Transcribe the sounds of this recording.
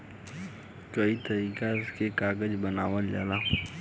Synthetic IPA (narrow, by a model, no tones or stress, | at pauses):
kɐit̪ɐɾiːkaɪskekaːɡəd͡ʒbənaːʋəld͡ʒa̰ːlaː